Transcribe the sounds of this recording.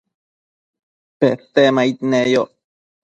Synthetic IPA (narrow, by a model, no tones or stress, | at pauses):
peθemait̪nejo